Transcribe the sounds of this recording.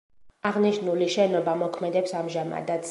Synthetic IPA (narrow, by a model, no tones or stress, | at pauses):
aʁniʃnuliʃɛnɔbamɔkʰmɛd̪ɛpsamʒama̰d̪at̪s